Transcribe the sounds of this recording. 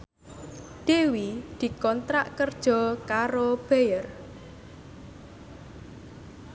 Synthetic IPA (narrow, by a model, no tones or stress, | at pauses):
d̪̥ewid̪̥i̤kɔnt̪ɾaʔkərd̥ʒ̥ɔ̤kaɾob̥ejər